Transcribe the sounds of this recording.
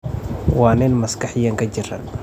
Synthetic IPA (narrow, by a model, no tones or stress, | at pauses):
waːnɛːnmɐskɐħɪjɐŋkɐd͡ʒɪrːɐ̰n